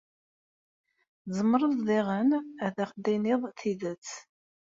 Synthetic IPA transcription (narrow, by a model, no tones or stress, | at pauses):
zəmːəɾˤəððiʁənæðæχd̪inɪðˤθiðət͡sː